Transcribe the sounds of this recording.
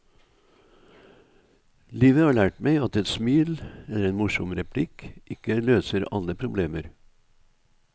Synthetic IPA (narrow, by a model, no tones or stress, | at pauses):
liːʋəhɑːɭæːʈmæɪɑt̪ɛt̪smiːlɛləɾeːnmʊʃɔmɾɛpʰlɪkʔɪkəløːsəɾɑ̰ləpʰɾʊbleːməɾ